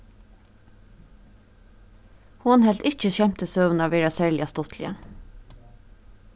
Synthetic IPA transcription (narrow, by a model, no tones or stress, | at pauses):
hʊnhɛlt̪ɪc͡çəçɛmt̪əsøːʋənɑʋeːɹɑsæɹlɪɑst̪ɔt̪ʰlɪ̰ə̰